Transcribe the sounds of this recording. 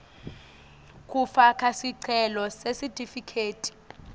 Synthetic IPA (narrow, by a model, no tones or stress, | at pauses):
kʼufakʰasiǀʰɛlɔsesitʼifikʰeːtʼi̥